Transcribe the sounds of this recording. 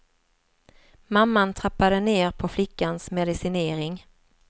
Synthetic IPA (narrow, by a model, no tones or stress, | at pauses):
mamːant̪ʰɾapːad̪əneːɾpʰɔflɪkːansmɛd̪ɪsɪneːɾɪŋ